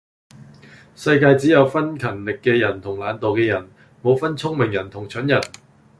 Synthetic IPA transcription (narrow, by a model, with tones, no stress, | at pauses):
sɐ˧jkaː˧jt͡siː˨˥jɐ˨˧wfɐ˥nkʰɐ˨˩nlɪ˨kːɛː˧jɐ˨˩nt̪ʰʊ˨˩ŋlaː˨˧nt̪o˨wkɛː˧jɐ˨˩n | mo˨˧wfɐ˥nt͡sʰʊ˥ŋmɪ˨˩ŋjɐ˨˩nt̪ʰʊ˨˩ŋt͡ʃʰɵ˨˥njɐ˨˩n